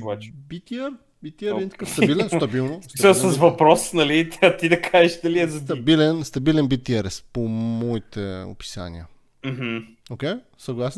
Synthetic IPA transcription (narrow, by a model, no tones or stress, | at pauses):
bat͡ʃbit̪iɛɾ | bit̪iɛɾɛd̪int̪ɐ̥kat̪ɐbilɛnst̪ɐbilˠnostsəsɐsvɐpɾɔsnɐlit̪ɐt̪id̪ɐkʰaʒɛʃd̪ɐliɛzɐt̪t̪ɐbilɛnst̪ɐbilɛnbit̪ʲiɛɾɛspomɔit̪ɛo̰pi̥sa̰nḭə̰ | m̩ɦm̩ | okɛj | sɐɡlˠasn